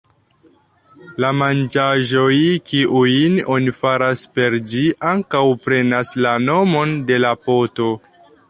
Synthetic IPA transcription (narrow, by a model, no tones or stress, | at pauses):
lamand͡ʒaʒo̞jkiʔujino̞nifaɾaspe̞ɾd͡ʒiʔaŋkawpɾe̞naslano̞mo̞nde̞lapo̞to̞